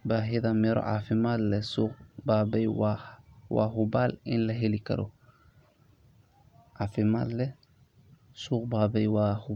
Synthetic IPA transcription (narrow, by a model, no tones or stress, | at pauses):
baɦiðɐmɛɾɔ̰ʔafɪmaːd̪lɛsuːqbaːbɛjwawa̰ːɦubaːlɪnlɐɦɛlikɐ̰ɾɔ̰ | ʔafɪma̰ːd̪lɛ | suːq̚baːbɛjwaːhu